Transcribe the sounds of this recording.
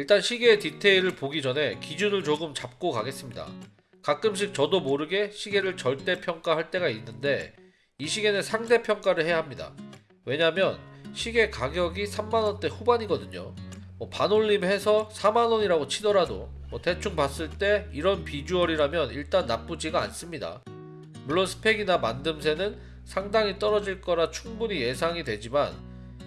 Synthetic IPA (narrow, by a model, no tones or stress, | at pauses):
iɭt͈anɕʰiɡe̞ːtitʰe̞iɾɯɭpoɡid͡ʑʌnɦe̞kid͡ʑunɯɭt͡ɕoɡɯmt͡ɕap̚k͈okaɡe̞s͈ɯmɲida̰ | kak̚k͈ɯmɕ̬ʰik̚t͡ɕʌdomoɾɯɡe̞ɕʰiɡe̞ɾɯɭt͡ɕʌɭt͈e̞pʰjʌŋk͈aɦaɭt͈e̞ɡainːɯnde̞̰ | iɕʰiɡe̞nɯnsʰaŋde̞pʰjʌŋk͈aɾɯɭhe̞jaɦamɲida̰ | we̞ɲamjʌnɕʰiɡe̞kaɡjʌɡisʰamːanʌnt͈e̞ɸubaɲiɡʌdɯɲomwʌpanoʎːimhe̞sʰʌsʰamanʌɲiɾaɡot͡ɕʰidʌɾado̰ | mwʌte̞t͡ɕʰuŋpas͈ɯɭt͈e̞iɾʌnpid͡ʑuʌɾiɾamjʌniɭt͈anːap͈ud͡ʑiɡaa̰ns͈ɯmɲida̰ | muɭːonsʰɯ̥pʰe̞ɡinamandɯms̬ʰe̞nɯn | sʰaŋdaŋit͈ʌɾʌd͡ʑiɭk͈ʌɾat͡ɕʰuŋbuɲije̞sʰaŋidwe̞d͡ʑiman